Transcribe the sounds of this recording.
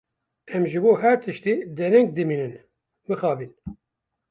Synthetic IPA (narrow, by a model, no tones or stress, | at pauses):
ɛmʒɨboːɦæɾt̪ʰɨʃt̪iːd̪ɛnɛŋk̚d̪ɨmiːnɨn | mɨxɑːbiːn